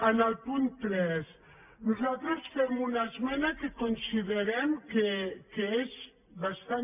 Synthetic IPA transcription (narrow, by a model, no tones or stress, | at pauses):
ənəlˠpunt̪ɾɛs | nuzalˠt̪ɾəsfɛmunəzmɛnəkekunsiðəɾɛmkekeez | βast̪a